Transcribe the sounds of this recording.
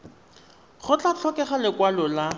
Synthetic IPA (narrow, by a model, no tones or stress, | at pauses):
χʊt͡ɬʼat͡ɬʰɔkɛχalɪkwalɔla